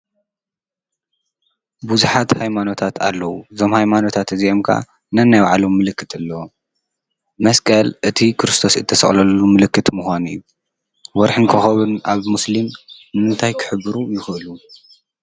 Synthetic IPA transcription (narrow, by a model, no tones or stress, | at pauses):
buzuħat̪hajmano̞t̪ʰat̪ʰalːɐwuzo̞mhajmano̞t̪ʰat̪ɨziomkʰa̰ | nɐnːajwaʕalomːɨlɨkːɨt̪ʰɨlːɐ | mɐskʼɐlʔɨt̪ʰikʰɨɾɨst̪ʰo̞sɨt̪ʰːɐsɐ̰χʼlɐlːumɨlɨkːɨt̪muxʷanijːu | wɔɾħɨnkʰɨxɐβɨnaβmuslimnɨmɨnt̪ʰajkʰɨ̥ħɨbːɨɾujɪxʔɨlu